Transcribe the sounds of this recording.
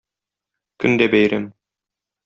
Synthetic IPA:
kɵ̆nd̪æbæjɾæm

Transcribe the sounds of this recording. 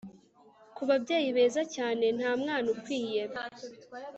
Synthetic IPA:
kuβabɟeːjiβe̞ːzacaːne̞n̥haːmŋaːnukwiːjem

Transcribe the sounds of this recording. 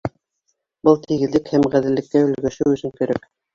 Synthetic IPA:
bɤlˠt̪ʰiɣɘ̆ðlɘkhæmʁæðɘ̆lːɘ̆kːæɵ̆lɡæʃɘwɵ̆sɘŋkæɾæk

